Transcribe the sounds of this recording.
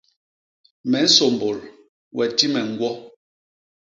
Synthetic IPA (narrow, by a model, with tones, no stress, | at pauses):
mɛ˨˦n̩˦so˨mbo˨l | wɛ˨ti˦mɛ˨ŋ̩˦ɡwɔ˦